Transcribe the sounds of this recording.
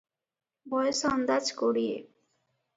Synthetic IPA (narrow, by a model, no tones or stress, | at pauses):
bɔjesɔnd̪ad͡ʑkoɽijḛ